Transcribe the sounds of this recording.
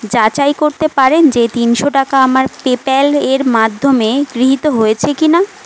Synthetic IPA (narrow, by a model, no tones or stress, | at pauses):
d͡ʑat͡ɕajkoɾt̪epaɾend͡ʑet̪inʃoʈakaamaɾpepɛleɾmad̪ʱːomeɡɾiɦit̪oɦojet͡ɕʰekina